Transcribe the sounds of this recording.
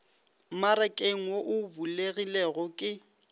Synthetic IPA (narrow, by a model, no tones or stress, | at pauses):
maɾɛkʼeŋ̩woʔʊbuleɣileɛɣɔkʼɪ